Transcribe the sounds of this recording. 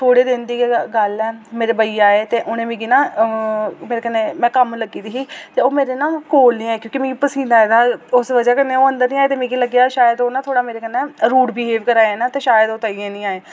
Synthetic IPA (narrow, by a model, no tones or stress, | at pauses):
t̪ʰoːɽeːd̪ɪ̃nd̪iːeɡəlɛːmeːɾeːbəiːaːeːt̪eːʔʊnẽːmĩːɡiːnãː | meːɾeːkənːẽːmɛ̃ːkəmləɡiːd̪iːɦiːt̪eːoːmeːɾeːnaːmkoːlnĩːaːeːkjõːkimĩːɡiːpəsĩːnd̪aːed̪aːʊsʋəd͡ʒaːkənːeːoːə̃nd̪əɾnĩːaːeːt̪eːmĩːɡiːləɡjaːʃaːjəd̪oːnãːt̪ʰoːɽaːmeːɾeːkənːɛːɾuːʈbiɦeːʋkəɾaːeɛ̃ːnaːt̪eːʃaːjəd̪oːt̪aːiẽːnĩːaːeː